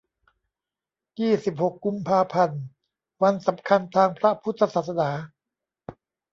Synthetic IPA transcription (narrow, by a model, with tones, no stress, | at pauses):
jiː˥˩si˨˩p̚ho˨˩kːu˧mpʰaː˧pʰa˧n | wa˧nsa˩˦mkʰa˧nt̪ʰaː˧ŋpʰɾa˦˥pʰu˥t̪ʰːa˧saː˨˩t̪̚sa˧naː˩˦